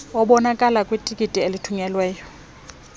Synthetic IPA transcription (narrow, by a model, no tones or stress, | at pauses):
ɔɓɔnakʼalakʼwitʼikʼitʼielitʰuɲɛlwɛːjɔ